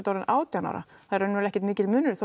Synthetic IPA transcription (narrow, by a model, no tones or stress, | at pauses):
t̪aːɾɪnaːwt̪jana̰ɾa̰θaðɾœnːɛɾlɛhcɪ̥ɾt̪mɪːcɪlmʏnːʏɾθ